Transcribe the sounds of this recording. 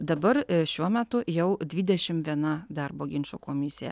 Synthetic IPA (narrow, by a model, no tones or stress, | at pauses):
d̪ɐbɐɾʃʲuɔmʲæt̪ʊjɛʊd̪ʲʋʲiːd̪ʲɛʃʲɪmʋʲiɛnɐd̪ɐrboːɡʲɪnʲt͡ʃʲoːkoːmʲɪsʲɪjɛ̰